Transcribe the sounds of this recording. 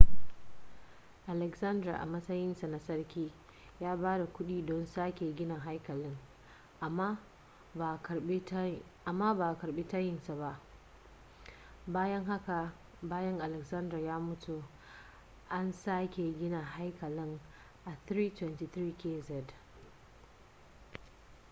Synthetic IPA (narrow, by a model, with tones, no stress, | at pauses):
ʔa˨lɛ˨ksɐ˦ndɾa̰˨ʔa̰˨mɐ˦sɐ˦jɪ˦nsa˨na˨sɐ˦rkʲiː˦ | jaː˦baː˦da˨kʷʊ˦ɗiː˦dɔ˦nsaː˦kʲe˨ɡʲɪ˦na˨ɦa˦jkɐ˨lɪ˦ŋ | ʔa˨mːa˦ | a˨˦ | ʔa˨mːaː˦baː˨kɐ˨ɾbe˦ta˦jɪ˦nsa˨ba˦ʔ | baː˦jɐ˦ŋɦa˦ka˨ | baː˦jɐ˦ŋʔa˨lɛ˨ksɐ˦ndɾa˨jaː˦mʊ˦tu˨ | ʔa˦nsaː˦kʲe˨ɡʲɪ˦na˨ha˦jkɐ˨lɪ˦ŋ | ʔa˨θɾiː˦twɛ˦ntiː˨tɾiː˦kʲeː˦zɛ˨d